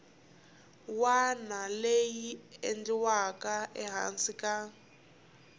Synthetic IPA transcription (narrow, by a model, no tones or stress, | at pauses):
wanalejiendiwakaɛɦa̰nsika